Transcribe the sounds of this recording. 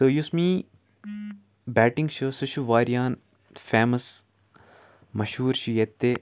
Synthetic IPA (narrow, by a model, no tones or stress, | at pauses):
t̪əjusmiː | bæːʈĩŋɡʃɐsɐʃuʋaːɾijaːn | feːmɐs | mɐʃɦuːɾʃijɐt̪ːe